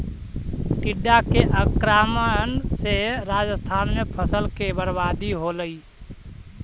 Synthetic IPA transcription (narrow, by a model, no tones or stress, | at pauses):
ʈiɖːakeʔəkɾamənseɾad͡ʒəst̪ʰanmepʰəsəlkebəɾbad̪iɦoləi